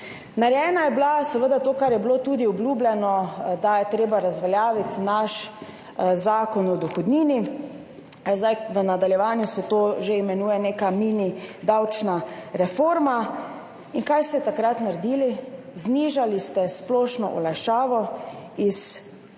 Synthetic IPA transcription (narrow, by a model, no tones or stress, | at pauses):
naɾjɛːnajɛblasɛʋəd̪at̪oːkaɾjɛbloːt̪uːd̪iɔblʲuːblʲɛnɔd̪ajɛt̪ɾeːbaɾazʋaljaːʋit̪naʃ | zaːkɔnɔd̪ɔxɔd̪niːni | zd̪ajʋənad̪aljɛʋaːnjusɛt̪oːʒeimɛnuːjɛneːkamiːnid̪awt͡ʃnaɾɛfoːɾma | inkajst̪ɛt̪akɾat̪naɾd̪iːlizniːʒalist̪ɛsplɔːʃnɔ̰ʔɔ̰lajʃaːʋɔis